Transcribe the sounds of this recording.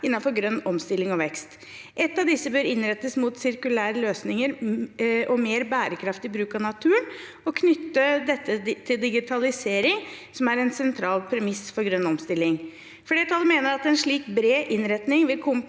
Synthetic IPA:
ɪnːɑnfɔɾɡɾœnːɔmst̪ɪlɪŋɔʋɛkst̪ | ʔɛt̪ːɑʋd̪ɪsːəbøːɾɪnɾɛt̪ːəsmut̪sɪɾkʉlæːɾəløːsnɪŋəɾ | ʔɔmeːɾbæːɾəkʰɾɑft̪ɪbɾʉːkɑʋnɑt̪ʰʉːən | ɔkʰnʏt̪ːəd̪ɛt̪ʰːət̪ʰɪld̪ɪɡɪt̪ʰɑlɪseːɾɪŋ | sɔmæɾɛnsɛnt̪ʰɾɑːlpʰɾɛmɪsfɔɾɡɾœnːɔmst̪ɪlːɪŋ | fɔɖeːt̪ʰɑlːəmeːnəɾɑt̪ɛnʂɭiːkbɾeːʔɪnɾɛt̪nɪŋʋɪlkʰɔm

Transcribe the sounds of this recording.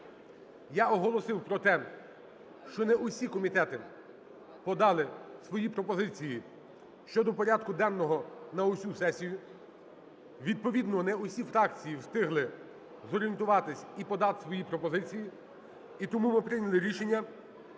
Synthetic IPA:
jaɔɦɔlˠɔsɪwpɾɔt̪ɛ | ʃt͡ʃɔnɛʔʊsʲikɔmʲit̪ɛt̪ɪ | pɔd̪ɑlˠɪsʋɔjipɾɔpɔzɪt͡sʲiji | ʃt͡ʃɔd̪ɔpɔɾʲad̪kʊd̪ɛnːɔɦɔnɐɔsʲusɛsʲijʊ | ʋʲid̪̚pɔʋʲid̪nɔnɛʊsʲifɾɑk̚t͡sʲijiwst̪ɪɦlˠɪ | zɔɾʲijent̪ʊʋɑt̪ɪsʲipɔd̪ɑt̪sʋɔjipɾɔpɔzɪt͡sʲiji | it̪ɔmumɪpɾɪnʲɐlˠɪɾʲiʃenʲːɐ

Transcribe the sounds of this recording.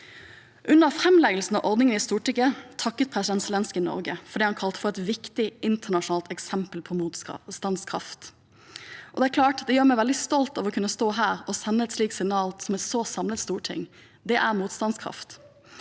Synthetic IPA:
ʔʉnːəʁfʁɛmlɛɡəl̩sn̩ɑ̰ʔɔʁd̪nɪŋənɪst̪uːʈɪkət̪ʰɑkːət̪̚pʰʁɛsɪd̪ɛnsəlɛnskənɔ̰ɾɡəfɔʁɖ̪iːhɑnkʰɑlt̪ə̥fɔʁɛt̪ʋɪkt̪ɪʔɪnt̪ʰəɳɑʂnɑːlt̪ɛksɛmpəlpʰɔmuːt̪st̪ɑnd̪skʰʁɑ̰ft̪ | ʔɔd̪ɛækʰlɑːʈd̪ɛjøːʁmɛɪʋɛld̪ɪst̪ɔlt̪ɑʋɔkʰʉnːəst̪oːɦæːʁɔsɛnːəɛt̪sliːksɪnɑːlsɔmɛt̪soːsɑmlət̪st̪uːʈʰɪ̰ŋ | d̪ɛʔæʁmuːt̪st̪ɑnskʰʁɑ̰ft̪

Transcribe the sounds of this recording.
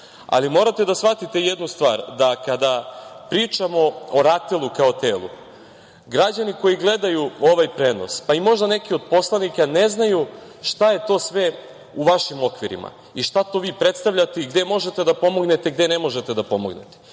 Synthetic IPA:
a̰limo̞ɾat̪e̞d̪asʋat̪it̪e̞jed̪nust̪ʋa̰ːɾd̪akad̪apɾiːt͡ʃamo̞oɾat̪elˠukaot̪eːlˠṵ | ɡɾad͡ʑaniko̞jiɡle̞d̪ajuo̞ʋajpɾe̞ːno̞̰spaimo̞ʒd̪ane̞kio̞d̪̚po̞slˠanikane̞znaju | ʃt̪aje̞t̪o̞ːsʋe̞ | uʋaʃimo̞kʋiɾḭma̰ | iʃt̪at̪o̞ʋiːpɾe̞t̪st̪aʋʎʲat̪e̞iɡd̪e̞mo̞ʒe̞t̪e̞d̪apo̞mo̞ɡne̞t̪eɡd̪e̞ne̞mo̞ʒe̞t̪ed̪apo̞mo̞̰ɡnḛt̪e

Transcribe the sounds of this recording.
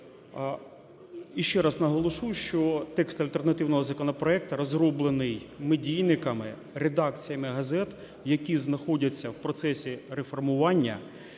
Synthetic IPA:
iʃt͡ʃːɛɾɐznɐɦɔlˠɔʃujʃt͡ʃɔt̪ɛkst̪ɐlʲt̪ernɐt̪ɪwnɔɦɔzɐkɔnɔpɾɔɛk̚t̪ɐɾɔzɾɔblˠenɪj | medʲijnɪkɐmɪ | ɾed̪ɑk̚t͡sʲijɐmɪɦɐzɛt̪ | jɐkʲiznɐxɔdʲɐt͡sʲːɐwpɾɔt̪sɛsʲiɾefɔrmʊʋɑnʲːɐ̰

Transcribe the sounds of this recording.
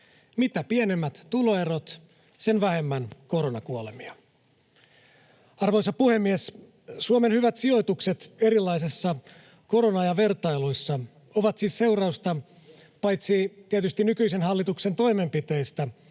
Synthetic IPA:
mit̪æpienemːæt̪ːuloerot̪ | se̞nʋæhe̞mːænko̞ɾonɑkuolemiɑ | ɑrʋo̞jsɑpuhe̞mːies | suome̞nhyʋæt̪sio̞jt̪ukse̞t̪e̞ɾilːɑjsesːɑ | ko̞ɾonɑjɑʋe̞rt̪ɑjlujsːɑ | oʋɑt̪siːsse̞wrɑust̪ɑ | pɑjt̪sit̪iet̪yst̪inykyisenɦɑlːit̪ukse̞nt̪o̞jme̞mpit̪e̞ːst̪æ

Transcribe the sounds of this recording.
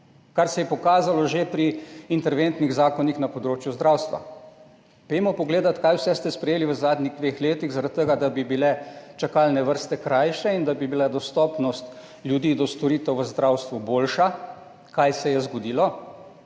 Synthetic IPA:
kaɾsɛjɛpɔkaːzalɔʒepɾiːnt̪ɛɾʋent̪niɣzaːkɔnixnapɔd̪ɾoːt͡ʃjuzd̪ɾawst̪ʋa̰ | pemɔpɔɡleːd̪at̪kajwsɛst̪ɛspɾɛjeːliʋəzaːd̪niɣd̪ʋeːxleːt̪iɣzaɾat̪̚t̪ːəɡad̪abibilɛt͡ʃakaːlnɛʋəɾst̪ɛkɾajʃɛind̪abibilad̪ɔst̪ɔːpnɔst̪ | ljud̪iːd̪ɔst̪ɔɾiːt̪ɛwʋəzd̪ɾawst̪ʋuboːlʃa | kajsɛjɛzɡod̪iːlɔ

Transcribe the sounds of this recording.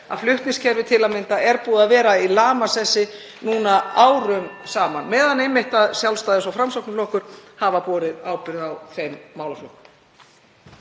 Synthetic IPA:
a̰ðflʏht̪nɪscʰɛɾvɪt̪ʰɪlamɪnt̪aʔɛɾpuːðaðvɛːɾailaːmasɛsːɪ | nuːnaaːwɾʏmsaːmanmɛːðanejmːɪht̪aðsjawlst̪aːjðɪsawfɾamsɔknlɔhkʏɾ̥havapɔːɾɪðaːwpɪɾðawfejmːaːwlaflʏhk

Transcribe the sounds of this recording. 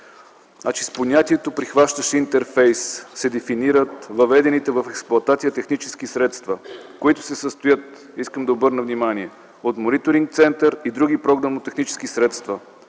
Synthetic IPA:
at͡ʃisponʲat̪iɛt̪opɾixvaʃt̪əʃɛint̪ɛɾfɛjssɛd̪ɛfiniɾət̪vɐvɛd̪ɛnit̪ɛvɐfɛksplˠʊɐt̪at̪sijət̪ɛxnit͡ʃɛ̥skisɾɛt̪st̪vəkoit̪ʊ̥sɛsəst̪ʊjət̪ | iskəmd̪ɐobɤɾnəvnimaniɛ | ot̪monit̪oɾiŋk̚t̪sɛnt̪əɾid̪ɾuɡ̟ipɾɔɡnɐnot̪ɛxnit͡ʃɛ̥skisɾɛt̪st̪vɐ

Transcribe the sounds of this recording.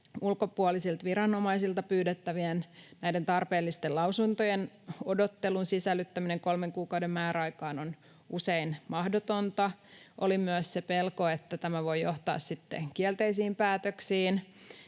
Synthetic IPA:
ulkopuɑlisilt̪ʋiɾɑnomɑisilt̪ɑpyːdet̪ːæʋiennæident̪ɑrpeːlːist̪elɑusunt̪ojen | odot̪ːelunsisælːyt̪ːæmineŋkolmeŋkuːkɑudemmæːɾæɑikɑːnon | useinmɑhdot̪ont̪ɑʔo̰limyøssepelkoet̪ːæt̪æmæʋojoht̪ɑ̰ːssit̪ːḛkielt̪eisiːmpæːt̪øksiːn

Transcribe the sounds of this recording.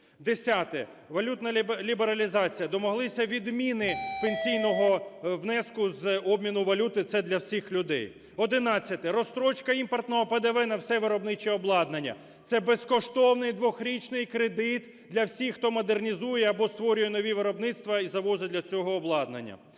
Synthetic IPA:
d̪esʲat̪ɛ | ʋɐlʲut̪nɐlʲibeɾɐlʲizɑt͡sʲijɐd̪ɔmɔɦlˠɪsʲɐʋʲid̪mʲinɪpenʲsʲijnɔɦɔʋnɛskʊzɔbmʲinʊʋɐlʲut̪ɪt̪sɛd̪lʲɐwsʲixlʲʊd̪ɛ̰j | ɔd̪ɪnɑt͡sʲːɐt̪ɪɾɔst̪ɾɔt͡ʃkɐimpɔrt̪nɔɦɔped̪eʋɛnɐwsɛʋɪɾɔbnɪt͡ʃɛɔblˠɑd̪nɐnʲːɐ̰ | t̪sɛbeskɔʃt̪ɔwnɪjd̪ʋɔxɾʲit͡ʃnɪjkɾed̪ɪt̪ | d̪lʲɐwsʲixxt̪ɔmɔd̪ernʲizujɛɐbɔst̪ʋɔɾʲʊjɛnɔʋʲiʋɪɾɔbnɪt̪st̪ʋɐizɐʋɔzɪd̪lʲɐt͡sʲɔɦɔːblˠɑd̪nɐ̰nʲːɐ̰

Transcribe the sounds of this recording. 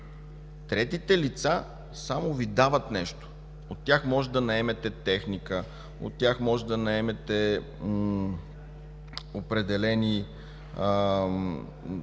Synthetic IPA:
t̪ɾɛt̪it̪ɛlit̪sa | samovid̪avət̪nɛʃt̪o̥ | ot̪ːʲjaxmɔʒɛd̪ɐnɐɛmɛt̪ɛt̪ɛxnikə | o̰t̪ːʲjaxmɔʒɛd̪ɐnɐɛmɛt̪ɛ | opɾɛd̪ɛlɛni

